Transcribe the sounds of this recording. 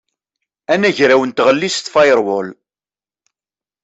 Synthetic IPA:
ænæʝɾæwənt̪ʁəlːist̪fɑjɾˤwɔl

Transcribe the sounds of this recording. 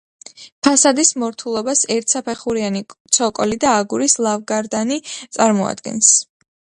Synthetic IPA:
pʰasad̪ismɔɾt̪ʰulˠɔbasɛɾt̪ʰsapʰɛχuɾianit̪sʰɔkʼɔlid̪aːɡuɾislˠavɡaɾd̪anit̪sʼaɾmɔa̰d̪̥ɡɛ̰ns

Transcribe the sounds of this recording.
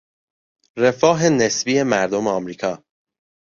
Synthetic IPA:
re̞fɒːɦe̞ne̞sbiːe̞mæɾd̪o̞meɒmɾiːkʰɒː

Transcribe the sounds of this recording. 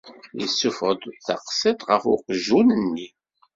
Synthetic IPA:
jəsːufʁəd̪θɑqsɪt̪ˤʁəfʊqʒunənːi

